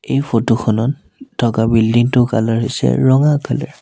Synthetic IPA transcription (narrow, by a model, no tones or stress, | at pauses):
ejpʰotoxʰɔnɔn | tʰɔkabildiŋtʊkalɔɹɦojsɛ̰ɹɔŋakʰɔlɛ̰ɹ